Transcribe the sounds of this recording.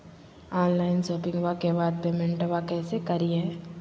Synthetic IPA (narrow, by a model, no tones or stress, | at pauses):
ɔːnlaːɪnsoːpɪ̃ŋɡʋakebaːd̪̚pemɛ̃ɳʈəʋakɛːsekɐɾiɛ̃ː